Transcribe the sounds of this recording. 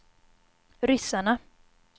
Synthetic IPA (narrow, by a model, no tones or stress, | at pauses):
ɾʏsaɳa